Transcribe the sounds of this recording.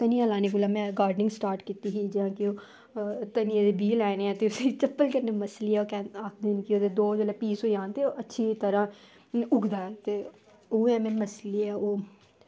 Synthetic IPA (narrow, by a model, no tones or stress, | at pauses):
k̪ənijãːlaːneːkulaːmɛ̃ːɡaːɾɖnɪ̃ŋɡsʈaːɾʈkiːt̪iːɦiːd͡ʒɪãːkioː | t̪ənijãːd̪eːbiːlɛːneːɛ̃ːt̪eːʊseːt͡ʃəpːəlkəɾneːməsliːɛːoːkɛ̃ːaːkʰd̪ɪnkioːd̪eːd̪oːd͡ʒolapiːsoːijãːnt̪eːoːʔətːʃʰiːt̪əɾãː | ʊɡd̪aːɛːt̪eː | oːɛːmɛ̃ːməsleɛːoː